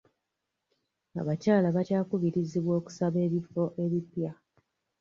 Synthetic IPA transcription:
a̰βacaːlaβacaːkuβiɾiziβwo̞ːku̥saβe̞ːβifo̞ʔe̞βipja

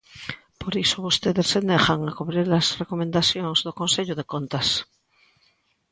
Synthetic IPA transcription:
poɾisoβust̪eðesːenexaŋakuβɾiɾlazrekomẽnd̪aθjoŋzðokonseʎoðekont̪as

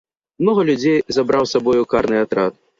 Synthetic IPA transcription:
mnɔɣɐlʲud͡zʲejzabɾawsabɔjukaɾnɨjat̪ɾat̪̚

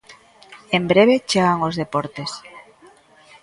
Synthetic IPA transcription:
embɾeβet͡ʃeɣaŋozðepoɾt̪es

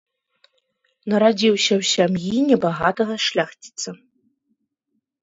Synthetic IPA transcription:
nɐɾad͡zʲiwsʲɐwsʲamjinʲɛbaɣat̪ɐɣɐʂlʲaxt͡sʲi̥t̪sɐ

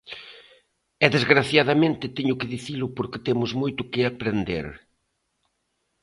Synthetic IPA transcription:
ɛðezɣɾaθjaðamẽnt̪ɪt̪eɲʊkɪðiθilʊpoɾkɪ̥t̪emʊzmojt̪ʊkɪapɾend̪ḛɾ

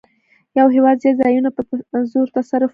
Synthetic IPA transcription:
jawɦewɑd̪zezɑjunapəzoɾt̪asaɾʊf

